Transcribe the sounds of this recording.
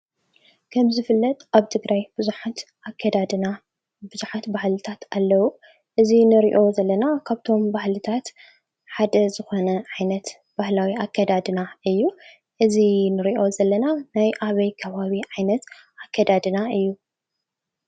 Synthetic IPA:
kʰɐmzɨfɨlːɐt̪ʼaβt̪ʰɨɡɾajb̥ɨzuħat̪ | kʰːɐd̪ad̪na | bɨzuħat̪bahlɨt̪ʰat̪alːɐwu | ʔɨzinɨɾḭʔo̞zɐlːɐnakʰaβt̪ʰo̞mbahlɨt̪ʰat̪ | ħad̪ɐzɨxo̞nɐʕajnɐt̪ | b̥ahlawiakʰːɐd̪ad̪ɨnaʔɨjːu | ʔɨzinɨɾiʔo̞zɐlːɐnanajʔaβɐjkʰɐβaβiʕajnɐt̪ | ʔakʰːɐd̪ad̪ɨnaɨjːu

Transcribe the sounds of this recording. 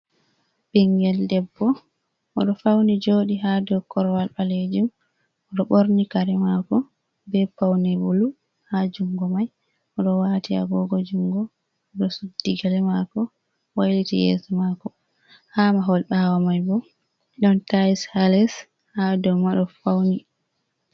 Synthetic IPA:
biŋɡɛldɛbːɔ | ʔɔɗɔfawnid͡ʒoːɗiɦadɔkɔɾwalɓaled͡ʒim | ɔɗɔɓoɾnikaɾɛmakɔ | bɛpawnibulu | had͡ʒuŋɡɔmaj | ʔɔɗɔwatia̰ɡɔɡɔd͡ʒuŋɡɔ | ɔɗɔsudːiɡalɛmakɔ | wajlitḭjɛ̰smakɔ | hamaɦɔlɓawamajbɔ | ɗɔntajishalɛs | hadɔmaɗɔfawni

